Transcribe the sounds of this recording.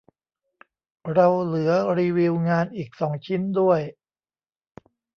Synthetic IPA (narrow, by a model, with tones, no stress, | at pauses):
ɾa˧wlɯ˩˦ɐɾiː˧wi˧wŋaː˧nʔiː˨˩k̚sɔː˩˦ŋt͡ɕʰi˦˥ndu˥˩əj